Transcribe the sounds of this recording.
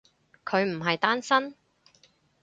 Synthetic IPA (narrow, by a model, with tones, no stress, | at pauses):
kʰɵ˨˧ɥm̩˨˩ɦɐ˨jt̪aː˥nsɐ˥n